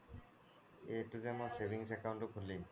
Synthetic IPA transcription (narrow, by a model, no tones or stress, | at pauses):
eʈːud͡ʑɛmosebʱiŋs̬ɛkawɳʈokʰullim